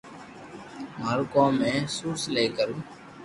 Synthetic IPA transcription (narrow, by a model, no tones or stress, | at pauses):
maːɾukõːmẽːsuːɾsleːkəɾuː